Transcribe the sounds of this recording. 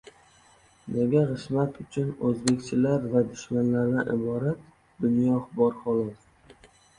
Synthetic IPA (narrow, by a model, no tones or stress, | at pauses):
neɡʲaʁɨʃmat̪ʰʊt͡ʃʰʊnɵzbe̞kʲt͡ʃʰɪlaɾvad̪ʊʃmanlaɾd̪anʔɪbɒɾat̪ | d̪ʊnjɒχbɒɾχɒlˠɒs